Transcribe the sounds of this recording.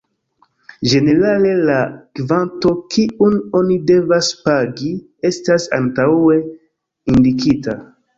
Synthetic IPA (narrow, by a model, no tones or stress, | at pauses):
d͡ʒe̞ne̞ɾale̞lakvanto̞kiuno̞nide̞vaspaɡi | e̞stasa̰ntawe̞ | indikita